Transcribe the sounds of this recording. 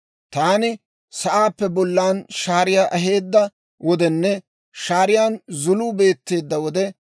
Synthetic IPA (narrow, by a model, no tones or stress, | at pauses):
t̪aːnɪ | sɐʔaːpːɛbɔlːaːnʃaːɾɪjaːʔɐɦe̞ːd̪ːɐ | wɔd̪ɛnːɛ | ʃaːɾɪjaːnzʊluːbe̞ːt̪ːe̞ːd̪ːɐwɔd̪ɛ